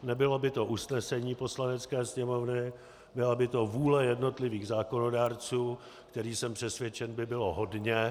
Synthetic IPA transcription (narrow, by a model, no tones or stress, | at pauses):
nɛbɪlo̞bɪt̪o̞ʔusnɛsɛɲiːpo̞slanɛt͡skɛːsɲɛmo̞vnɪ | bɪlabɪt̪o̞vuːlɛjɛdno̞t̪lɪviːɣzaːko̞no̞daːɾt͡suː | kt̪ɛɾiːsɛmpr̝̥ɛsvjɛt͡ʃɛnbɪbɪlo̞ɦo̞dɲɛ